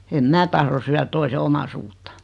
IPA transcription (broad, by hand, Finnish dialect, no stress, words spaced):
em mæː tɑhro syær toise omɑsuːtːɑ̥